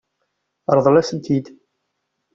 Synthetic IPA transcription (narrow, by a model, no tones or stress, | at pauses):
ɾˤðˤlæsənt̪ʰid̪